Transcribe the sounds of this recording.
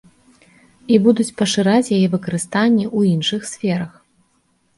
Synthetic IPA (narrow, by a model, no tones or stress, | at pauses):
ibud̪ut͡sʲpɐʂɨɾat͡sʲjajɛvɨkɐɾɨst̪anʲːɛʔuinʂɨxsʲfʲɛɾɐx